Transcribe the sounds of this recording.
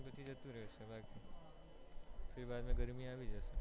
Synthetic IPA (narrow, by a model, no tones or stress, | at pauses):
pət͡ʃʰid͡ʒət̪ũɾəɦesebaki | pʰɪɾibad̪mẽɡəɾmiaʋid͡ʒəse